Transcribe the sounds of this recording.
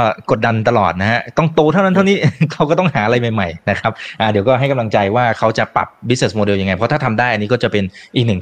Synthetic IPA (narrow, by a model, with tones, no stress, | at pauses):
kɔ˥˩ko˨˩t̪̚da˧nt̪a˧lɔ̰ː˨˩t̪̚na˦˥ɦa˦˥t̪ɔ˥˩ŋt̪oː˧t̪ʰa˥˩wna˦˥t̪ʰa˥˩niː˦˥ʔk̪ʰa˦˥wkɔː˥˩t̪ɔ˥˩ŋhaː˩˦ʔa˧ɾa˧jma˨˩jma˨˩jna˦˥kʰa˦˥p̚ʔa˨˩di˩˦wkɔː˥˩ɦa˥˩jka˧mla˧ŋt͡ɕa˧jwaː˥˩kʰa˦˥wt͡ɕa˨˩pa̰˨˩p̚bi˦˥t̚ne˨˩smoː˧de˧wja˧ŋːa˧jpʰɔ˦˥t̪ʰa˥˩t̪ʰa˧mdaː˥˩jʔa˧nːiː˦˥kɔː˥˩t͡ɕa˨˩pe˧nʔiː˨˩k̚nɯ˨˩ŋ